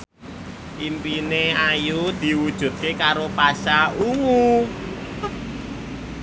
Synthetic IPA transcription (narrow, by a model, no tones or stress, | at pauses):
ʔimpineajud̪̥i̤wud̥ʒ̥ṳt̪̚kekaɾopasaʔuŋu